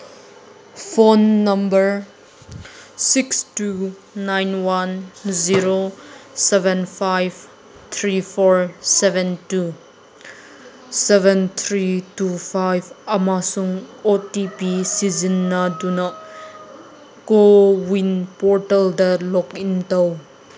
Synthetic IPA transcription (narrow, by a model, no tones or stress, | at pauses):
fʰonːɐmbəɹ | sikstu | najnwɐnziɾosɛvɛnfʰajv | t̪ʰɾifʰɔɹsɛvɛntu | sɛvɛnt̪ʰɾitufʰajvɐmasuŋotipisizinːɐdunɐ | kowinpɔɹtɐldɐlɔkintow